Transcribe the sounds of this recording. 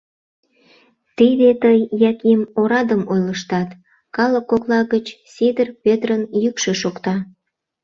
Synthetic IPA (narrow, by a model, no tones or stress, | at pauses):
t̪id̪et̪əjːɑkimoɾɑd̪əmojləʃt̪ɑt̪ | kɑləkːoklɑɣət͡ɕsid̪ərpʲet̪rənjykʃeʃokt̪ɑ